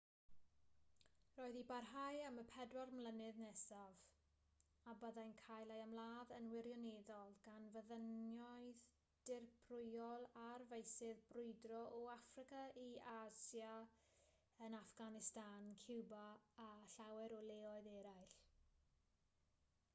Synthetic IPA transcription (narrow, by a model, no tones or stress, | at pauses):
roːɨðibarɦajəməpʰɛdwarmlˠənɪðnɛsav | abəðajnkʰajlˠajamlˠaːðənwɪɾjɔneðɔlˠɡ̥anvəðənjɔɨð | d̥ɪrpʰrʊjɔlˠarvejsɪðbrʊɨdrɔʔɔafrɪkaiaːsja | ənafɡ̥anɪstankʰɪwbaːɬawɛɾɔlˠeːɔɨðɛɾajɬ